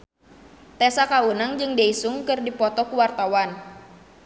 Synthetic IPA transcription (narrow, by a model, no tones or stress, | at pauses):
t̪esakaunaŋd͡ʒɨŋdeisuŋkɨrdipɔt̪ɔkuwart̪awan